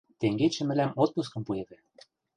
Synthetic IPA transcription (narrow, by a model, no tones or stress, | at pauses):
t̪eŋɡet͡ɕɘ̆mɘ̆læmot̪̚pus̬kɤ̆mpueβɘ̆